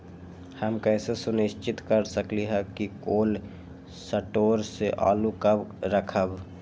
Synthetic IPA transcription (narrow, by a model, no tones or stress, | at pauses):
həmkɛːsesʊnɪʃt͡ʃɪt̪kəɾsəkliɦɛkikoːl | səʈoːɾseʔa̰ːlukəbɾəkʰəb